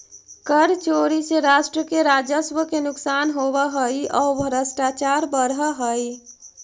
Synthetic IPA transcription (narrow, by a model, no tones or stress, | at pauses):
kəɾt͡ʃoɾiseɾasʈɾəkeɾad͡ʒəsʋəkenuksanɦoβəɦəjɔbʱəɾəsʈat͡ʃaɾbəɾɦəɦəj